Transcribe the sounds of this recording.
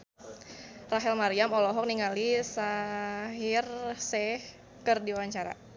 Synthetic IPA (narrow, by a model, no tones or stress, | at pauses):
raɦɛlmaɾiamɔlɔɦɔk̚niŋalisaɦirsɛh | kərdiwaɲt͡ʃaɾa̰